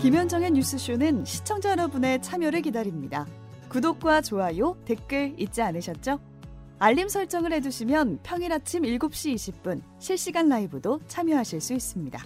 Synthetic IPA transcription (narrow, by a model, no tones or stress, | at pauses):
kimjʌnd͡ʑʌŋe̞ɲus͈ʰɯɕʰunɯnɕʰi̥t͡ɕʰʌŋd͡ʑʌɾʌbune̞t͡ɕʰamjʌɾɯɭkidaɾimɲida | kudok̚k͈wat͡ɕoajote̞k͈ɯɭit̚t͡ɕ͈ianɯɕʰʌt̚t͡ɕ͈o | aʎːimsʰʌɭt͡ɕ͈ʌŋɯɭhe̞d͡ʑuɕʰimjʌnpʰjʌŋiɾat͡ɕʰimiɭɡup̚ɕ͈iːɕʰip̚p͈un | ɕʰiɭɕ͈iɡanːaibɯdot͡ɕʰamjʌɦaɕʰiɭs͈uis͈ɯmɲida̰